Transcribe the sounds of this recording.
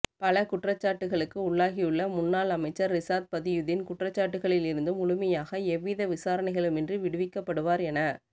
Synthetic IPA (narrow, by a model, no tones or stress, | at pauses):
pɐlɐkʊʈrɐt͡ʃːaːʈːɯɣɐɭɯkːɯʊɭːaːɣijɯɭːɐmʊnːaːlɐmɐɪt͡ʃːɐɾːɪsaːt̪̚pɐðɪjʊðɪnkʊʈrɐt͡ʃːaːʈːɯɣɐɭɪlɪɾɯnd̪ɯmʊɭʊmɐjaːɣɐɛʋːɪðɐʋɪsaːɾɐnɐɪɣɐɭɯmɛndrɯʋɪɽɯʋɪkːɐpːɐɽɯʋaːɾɛnɐ